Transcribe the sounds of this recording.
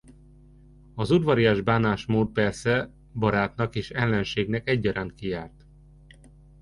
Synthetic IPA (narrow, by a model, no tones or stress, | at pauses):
ɒzud̪ʋɒɾijaːʒbaːnaːʃmoːt̪̚pɛrsɛ | bɒɾaːt̪nɒkeːʃɛlːɛnʃeːɡnɛkɛɟːɒɾaːnt̪̚kijaːrt̪